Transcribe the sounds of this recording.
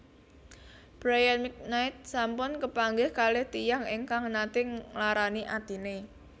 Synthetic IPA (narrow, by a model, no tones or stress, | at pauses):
b̥ɾajənmik̚naɪt̪̚sampʊnkəpaŋɡɪhkalɪht̪ijaŋiŋkaŋnat̪ɪŋlaɾaniʔad̪̥i̤ne